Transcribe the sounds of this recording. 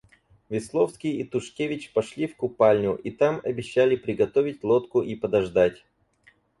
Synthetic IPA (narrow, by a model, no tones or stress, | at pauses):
vʲɪslˠo̞fskʲɪjit̪ʊʂkʲevʲɪt͡ɕpɐʂlʲifkʊpalʲnʲʊʔit̪amɐbʲɪɕːalʲɪpɾʲɪɡɐt̪o̞vʲɪtʲlˠo̞t̪kʊʔipəd̪ɐʐd̪atʲ